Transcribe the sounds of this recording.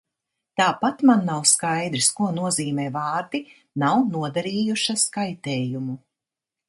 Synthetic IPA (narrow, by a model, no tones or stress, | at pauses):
t̪aːpat̪manːawskajd̪ɾiskuɔnuɔziːmɛːvaːɾd̪i | nawnuɔd̪aɾiːjuʃaskajt̪ɛːjumu